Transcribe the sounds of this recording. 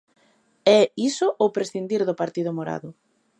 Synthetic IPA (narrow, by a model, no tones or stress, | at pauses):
ɛisʊʔowpɾesθind̪iɾðʊpaɾt̪iðʊmoɾa̰ðʊ